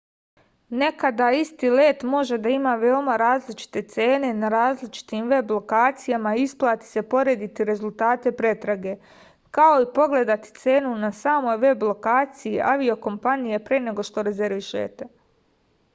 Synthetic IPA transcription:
ne̞kad̪aist̪iːleːt̪mo̞ʒe̞d̪aimaːʋe̞o̞maɾaːzlit͡ʃi̥t̪e̞t̪se̞ːne̞naɾaːzlit͡ʃi̥t̪iːmʋe̞blo̞kaːt̪sijamaiisplˠaːt̪i̥se̞po̞ɾe̞ːd̪it̪iɾe̞zulˠt̪aːt̪e̞pɾe̞t̪ɾaɡe̞ | kao̞ipo̞ɡle̞d̪at̪i̥t̪se̞ːnunasaːmo̞jʋe̞blˠo̞kaːt̪sijiʔaʋio̞ko̞mpanije̞pɾene̞ɡo̞ʃt̪o̞ɾe̞ze̞ɾʋiʃḛːt̪e̞

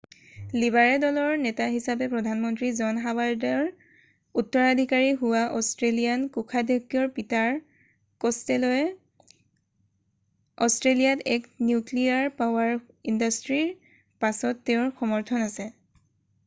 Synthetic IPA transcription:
libaɹɛdɔlɔɹnɛtaɦisapɛpɹɔdʱanmɔntɹizɔnɦawaɹdɛɹ | utːɔɹadʱikaɹiɦuwaʔɔstɹelijankukʰadeɡjɔɹpitaɹ | kɔstɛlɔjɛ | ɔstɹelijatɛknjukliaɹpaʊwaɹ | indastɹiɹ | pasɔtːeʊɹxɔmɔɹtʰɔnasɛ

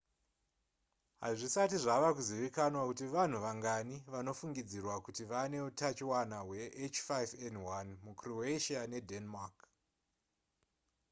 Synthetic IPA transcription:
ɦaʐisatiʐaʋakuziʋikanwakutiʋan̤uʋaŋɡaniʋano̞fuŋɡid͡zirwakutiʋane̞utat͡ʃiwanawe̞ʔet͡ʃfajvendwanmukroeʃiane̞dʱenmak

